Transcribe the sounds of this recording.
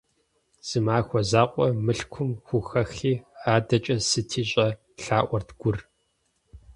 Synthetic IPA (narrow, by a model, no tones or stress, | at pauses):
z̥ɨmaːxʷɔzaːqʷʼɔmɨɬkʷʰʊmxʷʊxɐxiːaːdɐt͡ʃʼɐsɨtʰiːɕʼɐ | ɬaːʔʷɔrtɡʷʊr